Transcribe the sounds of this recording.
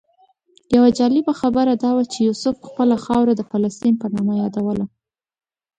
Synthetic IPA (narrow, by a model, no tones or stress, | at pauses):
jawad͡ʒɑlɪbaxabəɾad̪ɑwat͡ʃejusʊfxpəlaxɑwɾad̪əfalast̪inpənɑmajɑd̪awəla